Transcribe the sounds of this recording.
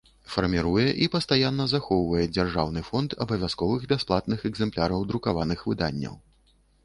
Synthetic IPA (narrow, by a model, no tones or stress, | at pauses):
fɐrmʲiɾujɛʔipɐst̪ajanːɐzaxɔwvɐjɛd͡zʲarʐawnɨfɔnt̪ʰɐ̰bɐvʲaskɔvɨɣbʲasplˠat̪̚nɨxɛɡzɛmplʲaɾɐwd̪ɾukavanɨxvɨd̪anʲːɐ̰w